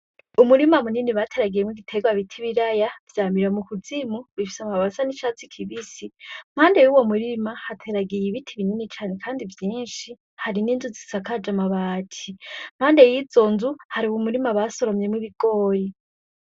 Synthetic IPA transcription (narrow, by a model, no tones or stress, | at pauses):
umuɾimamuniniβatʰe̞ɾaɡijemŋwiɡitʰe̞ɡwaβitʰiβiɾajavjaːmiɾamukud͡zimuβifi̥samaβasaniʃat͡sikʰiβisim̥haːnde̞juwo̞muɾimahatʰe̞ɾaɡijiβitʰiβininit͡ʃaːne̞kʰaːndivjiːnʃi | haɾininzuzisakad͡ʒamaβatʰim̥haːnde̞jizo̞nzuhaɾiwumuɾimaβaso̞ɾomje̞mŋiβiɡ̥oji